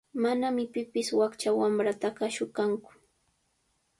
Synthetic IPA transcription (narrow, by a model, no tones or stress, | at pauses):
manamɪpɪpɪswakt͡ʃawamɾat̪aɢaʃʊkaŋkʊ̥